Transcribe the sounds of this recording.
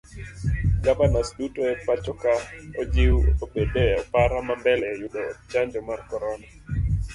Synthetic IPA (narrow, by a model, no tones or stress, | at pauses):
ɡapanasdutoɛpat͡ʃɔkaod͡ʒɪwobedeɔpaɾamambɛlɛjʊɗɔːt͡ʃaɲd͡ʒɔmarkɔɾɔna